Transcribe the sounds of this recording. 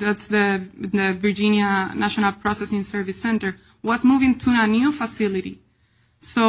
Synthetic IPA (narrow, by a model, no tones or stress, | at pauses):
ðætsðəəviɹd͡ʒĩnjanʔaʃɔnalpʰɹɔsɛsĩnsɛɹvisɛ̃nt̪ə˞ | wʌzmuvɪ̃ŋt̪ʰuanjufasɪliɾḭ | so